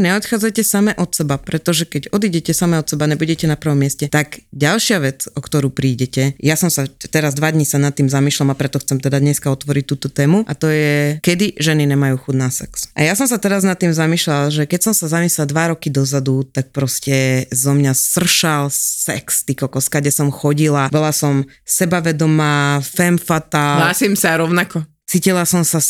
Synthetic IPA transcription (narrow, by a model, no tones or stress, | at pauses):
ɲɛɔt̪xaːd͡zajcɛsamɛʔɔt̪sɛbapɾɛt̪ɔʒɛkɛɟɔd̪iːɟɛcɛsamɛɔt̪sɛbaɲɛbuɟɛcɛnapr̩ʋɔmːɪɛscɛt̪aɡɟalʃɪaʋɛt͡sɔkt̪ɔɾuːpɾiːɟɛcɛjasɔmsat̪ɛɾazd̪ʋad̪ɲisanat̪ːiːmzamiːʃlamapɾɛt̪ɔxt͡sɛmt̪ɛd̪ad̪ɲɛskaɔt̪ʋɔɾic̚t̪uːt̪ɔt̪ɛːmuʔat̪ɔjɛkɛd̪iʒɛniɲɛmajuːxud̪nasɛksʔajasɔms̬at̪ɛɾaznat̪ːiːmzamiːʃlalʒɛkɛcsɔmsazamiːslad̪ʋaɾɔkid̪ɔzad̪ut̪ak̚pɾɔscɛzɔmɲasr̩ʃalsɛ̰kst̪ikɔkɔskaɡɟɛsɔmxɔɟilabɔlasɔm | sɛbaʋɛd̪ɔmaːfɛmfat̪alaːsimsaɾɔʊnakɔ | t͡siːcilasɔmsa